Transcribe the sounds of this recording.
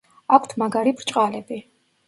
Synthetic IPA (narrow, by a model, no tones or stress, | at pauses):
akʷʰt̪ʰmaɡaɾipʰɾt͡ʃʼqʼalɛbi